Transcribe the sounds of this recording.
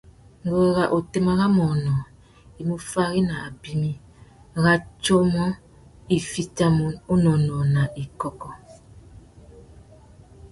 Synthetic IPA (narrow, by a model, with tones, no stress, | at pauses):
ŋ˦ɡo˦˨ɣa˨ʔo˨te˦ma˦ɣa˦mɔ˨nɔ˨ | i˨mu˦fa˦ɣi˦na˨a˨bi˦mi˦ | ɣa˦t͡ʃɔ˦mɔ˦ | i˨fi˦ta˦mɔ˦o˦nɔ˨nɔ˨na˨ʔi˨kɔ˦kɔ˦